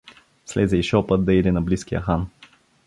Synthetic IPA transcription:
slɛzɛiʃɔpət̪̚d̪ɐid̪ɛnɐbliskijə̰xan

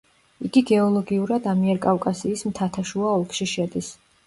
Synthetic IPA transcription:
iɡiɡɛɔlˠɔɡiuɾad̪amiɛɾkʼafkʼasiːsmt̪ʰat̪ʰaʃuaɔlˠkʰʼʃiʃɛd̪is

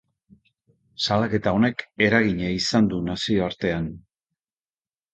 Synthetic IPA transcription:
salake̞t̪ao̞ne̞ke̞ɾaɣiɲaisand̪unasio̞aɾt̪e̞an

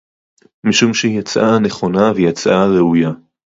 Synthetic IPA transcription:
miʃumʃejat͡sʔaneχo̞navejat͡sʔaʁeuja

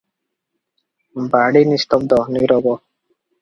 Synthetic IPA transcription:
baɽinist̪ɔb̚d̪ɔnuɾɔbɔ

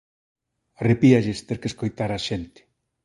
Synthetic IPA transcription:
arepiaʎest̪eɾkeskojt̪aɾaʃent̪ɪ̥

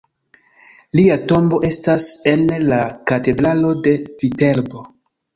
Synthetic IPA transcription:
liato̞mbo̞ʔe̞stase̞nlakate̞dɾalo̞de̞vite̞lbo̞

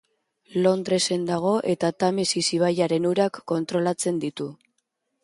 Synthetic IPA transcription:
lo̞nd̪ɾe̞se̞nd̪aɣ̞o̞ʔe̞t̪at̪amesisiβ̞ajaɾe̞nuɾakːo̞nt̪ɾo̞lat͡se̞nd̪it̪u

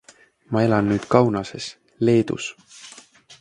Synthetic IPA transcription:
mɑe̞lɑnːyːd̪̥kɑwnɑse̞s | le̞ːd̪̥ṵs

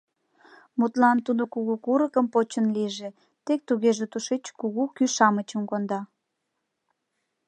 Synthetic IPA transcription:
mut̪lɑnt̪ud̪okuɣukuɾəkəmpot͡ɕənliʒe | t̪ek̚t̪uɣeʒet̪uʃet͡ɕkuɣukyʃɑmət͡ɕəmkond̪ɑ

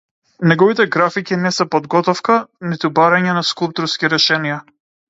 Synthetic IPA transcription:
nɛɡɔvit̪ɛɡɾafikinɛsɛpɔd̪ɡɔt̪ɔfkanit̪ubaɾaɲɛnaskulˠp̚t̪uɾskiɾɛʃɛnija

